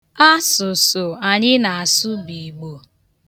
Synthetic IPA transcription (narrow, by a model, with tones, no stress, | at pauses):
a˦sʊ˨sʊ˨a˨ɲɪ˦na˨a˨sʊ˦bi˨ɡ͡bo˨